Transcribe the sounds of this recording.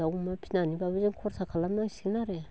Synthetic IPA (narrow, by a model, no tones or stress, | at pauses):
aumapʰinanibaβed͡ʒeŋkʰoɾsakʰalamasinaɾe